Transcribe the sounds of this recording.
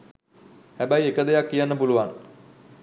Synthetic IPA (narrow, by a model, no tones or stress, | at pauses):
hæbæjekəd̪ejakːijanːəpuluʋan